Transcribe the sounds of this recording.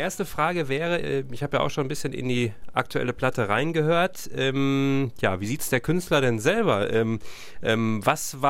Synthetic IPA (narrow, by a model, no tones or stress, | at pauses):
ʔeːɐstəfʁ̥aːɡəvɛːʁəʔɛːmɪçhaːbəjaːʔa̰ʊxʃoːnbɪsçənʔɪ̰ndiːʔa̰k̚tʰuʔɛ̰ləpl̥atəʁaɪnɡəhøːɐtʔɛːmja̰ːviːziːtsd̥eːɐkʰʏnstlɐɾɛnzɛlbɐʔɛːm | ʔɛːmvasva